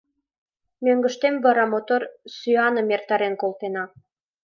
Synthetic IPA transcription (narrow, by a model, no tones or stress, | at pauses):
møŋɡə̆ʃt̪emβɑɾɑmot̪orsyɑnə̆mert̪ɑɾenkolt̪enɑ